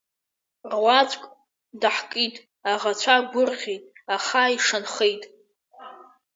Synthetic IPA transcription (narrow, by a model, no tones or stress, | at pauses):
rwʷat͡sʷʰʼkʼ | daħkʼitʼ | aʁat͡ɕʷʰaɡʷʊrʁʲejtʼaχaiʂanχejtʼ